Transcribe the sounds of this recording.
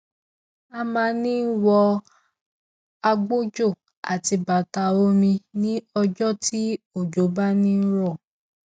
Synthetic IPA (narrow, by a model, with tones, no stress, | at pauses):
a˧mãː˧nĩ˦wɔ˧ | a˧ɡ͡bo˦d͡ʒo˦˨ | a̰˨ti˧ba˨ta˧˨o˦mĩ˧nĩ˦ɔ˧d͡ʒɔ˦ti˦o˦˨d͡ʒo˨˦ba˦nĩ˦ɾɔ˦˨